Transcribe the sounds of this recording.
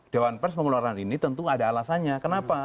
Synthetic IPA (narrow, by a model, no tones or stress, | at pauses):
d̥ewanpɛrsməŋularkaninit̪ənt̪uadaːlasanɲakənapa